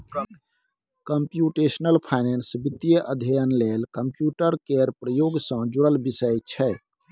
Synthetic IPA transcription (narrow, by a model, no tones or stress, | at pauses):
kəmpjuʈesnəlpʰaɪnensbit̪ːijəʔəd̪ʱəjənlelkəmpjuʈəɾkeɾpɾəjoɡsə̃d͡ʒuɽəlbisəjt͡ʃʰɛ